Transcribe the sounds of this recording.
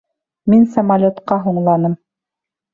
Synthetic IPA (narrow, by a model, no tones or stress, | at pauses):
minsɐmalʲot̪qɑɦuɴlˠɑnɤm